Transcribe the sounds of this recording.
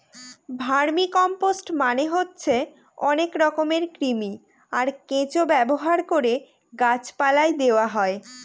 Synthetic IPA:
bʱaɾmikɔmposʈmaneɦotːɕʰe | ɔnekɾɔkomeɾkɾimi | aɾkẽt͡ɕobɛboɦaɾkoɾe | ɡat͡ɕpalaed̪eoaɦɔe

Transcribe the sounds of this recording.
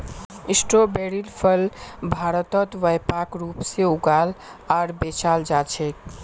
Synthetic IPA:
isʈɾobeɾilpʰəlbʱaɾət̪ət̪ʋəjpakɾupseuɡalaɾbet͡ʃald͡ʒat͡ʃʰɛk

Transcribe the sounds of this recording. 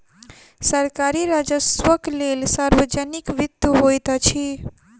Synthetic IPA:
səɾkaɾiɾad͡ʒəswəklelsaɾwəd͡ʒənikʋid̪juɦojt̪t͡ʃʰi

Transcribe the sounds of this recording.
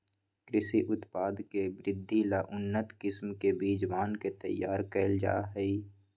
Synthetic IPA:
kɾɪsiʔʊt̪paːd̪kebɾɪd̪ʱːilaʔʊnːət̪kɪsmkebiːd͡ʒwaːnket̪ə̰jːaːɾkɛːld͡ʒa̰ːɦɛi

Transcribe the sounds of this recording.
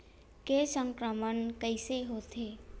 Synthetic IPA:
kesə̃ŋkɾəmənkəɪseɦot̪ʰeː

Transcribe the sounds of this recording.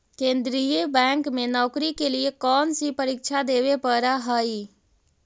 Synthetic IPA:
kẽnd̪ɾijebɛŋkmenɔkɾikeliekɔnsipəɾik̚t͡ʃʰad̪eβepəɾaɦəj

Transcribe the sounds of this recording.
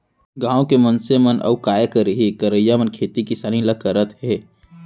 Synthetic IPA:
ɡãːõkemɐnsemənʔɐ̰ukaːjəkəɾəɦikəɾəjːamənkʰeːt̪ikisaːniləkəɾət̪ɦeː

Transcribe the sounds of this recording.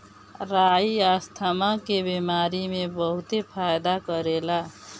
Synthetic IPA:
ɾaiast̪ʰamakebemaɾimebəɦut̪epʰajd̪akʌɾela

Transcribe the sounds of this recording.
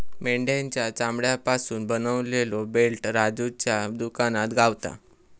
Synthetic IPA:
meɳɖjaɲt͡ɕjat͡samɽjapasuːnbənəʋlelobelʈɾad͡zut͡ɕjad̪ukanat̪ɡaʋt̪a̰

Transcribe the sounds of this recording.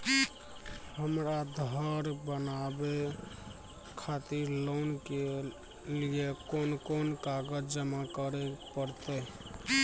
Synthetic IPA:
həmɾad̪ʱəɾbənabe | kʰat̪iɾlonke | liekonkonkaɡəd͡ʒd͡ʒəmakəɾɛpəɾt̪ɛ

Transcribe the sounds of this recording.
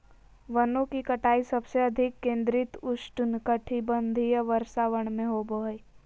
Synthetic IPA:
ʋənõkikɐʈaːisɐbseɐd̪ʱɪkːẽːnd̪ɾɪt̪ʊsʈʊnkəʈʰibənd̪ʱijəʋəɾsaːʋəɽ̃mẽɦobəj

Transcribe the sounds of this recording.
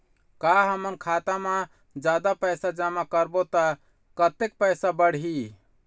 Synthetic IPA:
kaɦəmənkʰat̪ame | d͡ʒad̪apəɪsad͡ʒamakəɾbot̪ə | kət̪ek̚pəɪsabəɽ̤ɦi

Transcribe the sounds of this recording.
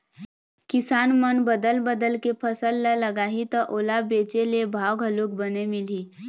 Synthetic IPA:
kɪsaːnmənbəd̪əlbəd̪əlkepʰəsəlːələɡaːɦit̪əʔoːlabeːt͡ʃelebʱaːwɡʱəluːk̚bənemɪliː

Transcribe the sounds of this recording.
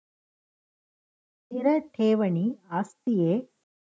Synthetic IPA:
t̪ɪɾɐʈʰeːʋɐɳiaːst̪ijeː

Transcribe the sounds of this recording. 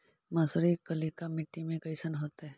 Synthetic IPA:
masəɾikəlikamɪʈːimẽɡəjsənɦot̪e

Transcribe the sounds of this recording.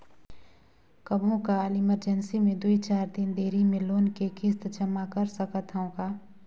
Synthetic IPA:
kəbʱõkalɪməɾd͡ʒənsimẽd̪ʊit͡ʃaːɾd̪ɪnd̪eːɾimẽloːnkekɪst̪d͡ʒəmakəɾsəkət̪ɦəõɡaː

